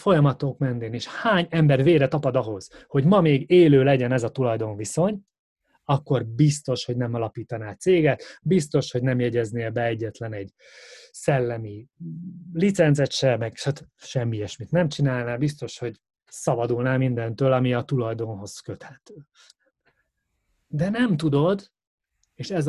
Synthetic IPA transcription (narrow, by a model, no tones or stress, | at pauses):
fo̞jɒmɒt̪okmɛnːeːneːʃhaːɲɛmbɛrveːɾɛt̪ɒpɒd̪ɒɦo̞z̥ho̞ɟmɒmeːɡeːløːlɛɟɛnɛzɒt̪ulɒjd̪o̞ɱviso̞ɲ | ɒkːo̞rbist̪o̞ʃho̞ɟnɛmɒlɒpiːt̪ɒnaːt̪seːɡɛt̪bist̪o̞ʃho̞ɟnɛmjɛɟɛzneːlbɛɛɟːɛt̪lɛnɛɟ | sɛlːɛmi | lit̪sɛnzɛt̪ʃɛmɛɡʃat̪ʃɛmːiɛʃmit̪nɛmt͡ʃinaːlnaːbist̪o̞ʃho̞ɟ | sɒbɒd̪ulnaːlmind̪ɛnt̪øːlɒmiɒt̪ulɒjd̪o̞nɦo̞zkøt̪ʰɛt̪ː | d̪ɛnɛmt̪ud̪o̞d̪ | eːʃɛz